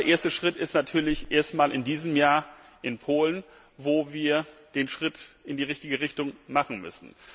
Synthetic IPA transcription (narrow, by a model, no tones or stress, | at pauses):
dɐʔeːɐstəʃʁ̥ɪtɪstnatʰyːɐlɪçʔeːɐstmaːlɪndiːzəmjaːɐ | ʔɪnpʰoːlən | voːviːɐd̥eːnʃʁ̥ɪtʔɪndiːʁɪçtɪɡəʁɪçtʊŋmaχn̩mʏ̰sn̩